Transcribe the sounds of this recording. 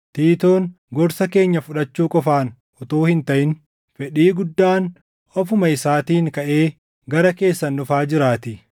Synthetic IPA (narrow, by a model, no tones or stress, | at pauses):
t̪iːt̪o̞ːŋ | ɡɔɾsɐke̞ːɲːɐfʊᶑɐt͡ʃːuːkʼɔfaːn | ʔɔt̪oːhɪnt̪ɐʔɪn | fɛᶑiːɡʊd̪ːaːn | ʔɔf̬ʊmɐɪsaːt̪iːŋkɐʔe̞ː | ɡɐɾɐke̞ːsːɐnːʊfaːd͡ʒɪɾaːt̪ɪ